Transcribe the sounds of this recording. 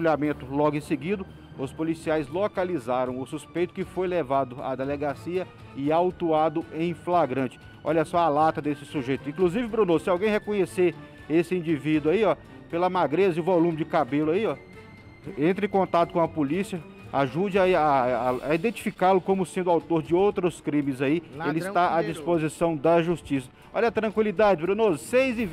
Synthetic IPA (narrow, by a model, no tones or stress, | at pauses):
ʎamẽnt̪ʊlɔɡʊẽsɪɡid̪ʊ | ʊspolisiajzlokalizaɾɐ̃w̃ʊsuspejt̪ʊ̥kɪfojlevad̪ʊa̰d̪eleɡasiɐ | ɪawt̪uad̪ʊʔẽj̃flaɡɾɐ̃t͡ʃɪ̥ | ɔ̰ʎɐsɔalat̪ɐd̪esɪ̥suʒejt̪ʊĩkluzivɪbɾũnosɪawɡẽj̃ɦekõɲeseɾ | esɪĩd͡ʒivid̪ʊaiɔ | pelɐmaɡɾezɪʊvolũmɪd͡ʒɪkabelʊaiɔ | ẽnt̪ɾɪẽkõnt̪at̪ʊ̥kõɐpolisiɐ | aʒud͡ʒɪaaaid̪ẽnt͡ʃi̥fikalʊkõmʊsẽnd̪ʊawt̪oɾd͡ʒɪowt̪ɾʊskɾĩmɪzaielɪisst̪aad͡ʒisspozisɐ̃w̃d̪ɐʒust͡ʃisɐ̥ | ɔʎɐt̪ɾɐ̃kwilid̪ad͡ʒɪbɾũnosejzi